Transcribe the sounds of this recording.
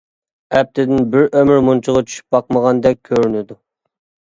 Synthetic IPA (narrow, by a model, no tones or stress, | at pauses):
ɛp̚t̪ʰɪd̪ɪnbɪɾʔømɪɾmunt͡ʃʰʊʁɑt͡ʃʰy̥ʃy̥p̚bɑqməʁɑnd̪ɛk̚ʲʰːøɾynɪd̪u